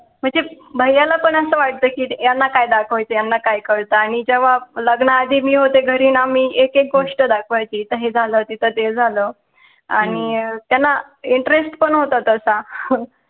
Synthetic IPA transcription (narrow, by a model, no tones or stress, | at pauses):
m̤əɳd͡ze | bʱəjːalapəɳəsəːʋaʈ̚t̪əkiːjanːakajd̪akʰʋajt͡ɕejanːakajkəɽt̪aaɽ̃id͡ʑeʋ̤aləɡɳəːd̪ʱiːmiːɦot̪eɡʱəɾiːnamiːekek̚ɡoʂʈəd̪akʰʋajt͡ɕiːt̪əɦed͡zʱalət̪it̪ʰət̪ed͡zʱalə | aɽ̃it̪janːa | iɳʈɾesʈpəɳɦot̪at̪əsa